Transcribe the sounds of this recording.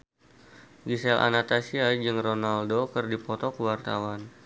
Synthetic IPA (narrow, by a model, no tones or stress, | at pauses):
ɡisɛlʔa̰nat̪asiad͡ʒɨŋronaldokɨrdipɔt̪ɔkəwart̪a̰wan